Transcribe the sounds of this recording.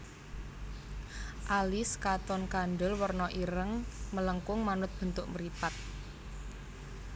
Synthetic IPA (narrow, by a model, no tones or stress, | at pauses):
ʔaliskat̪ɔnkanɖəlwərnɔʔiɾəŋmələŋkʊŋmanʊt̪̚b̥ə̤nt̪ʊʔməɾipat̪̚